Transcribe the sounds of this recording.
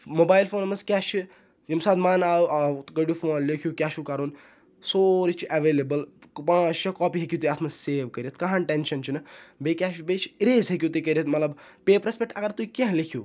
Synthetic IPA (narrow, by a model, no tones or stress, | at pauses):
moːbaːjlfoːnmɐskʲɛːʃt͡ʃʰi | jimsaːd̪maːnaːuaːɡɐɽjufoːnlekʰjuːkʲaːʃukaɾoːn | soːɾit͡ʃʰiʔɐʋeːlebəlpãːt͡ʃt͡ʃʰɐkɔːpiɦekʲjut̪ujaːt̪ʰmɐzseːʋkɐɾjɐt̪̚kɐɦãːnʈenʃɐnt͡ʃʰinɐbekʲaːʃbet͡ʃʰi̥ɾeːzɦek̬ʲjut̪ukɐɾʲijɐt̪mɐt̪lɐb | peːpɾɐspʲekʈɐɡɐɾt̪uikʲɐ̃ɦlekʰjuː